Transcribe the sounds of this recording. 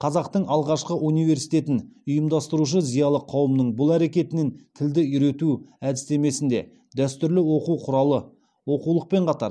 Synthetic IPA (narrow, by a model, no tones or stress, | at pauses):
qʰɑzɑqt̪əɴʔɑlˠʁɑʃqəʔunijve̞ɾsijt̪e̞t̪ɪnʊjəmd̪ɑst̪əɾuʃ̬əzijɑlˠəqʰɑwəmnəɴbʊlˠæɾe̞kʲe̞t̪ɪnent̪ʰɪld̪ɪʏɾe̞t̪uæd̪ɪst̪e̞me̞sɪnd̪e̞̰ | d̪æst̪ʏɾlɪwo̞quwqʰʊɾɑlˠə | wo̞qulˠəq̚pe̞ɴqʰɑt̪ɑ̰ɾ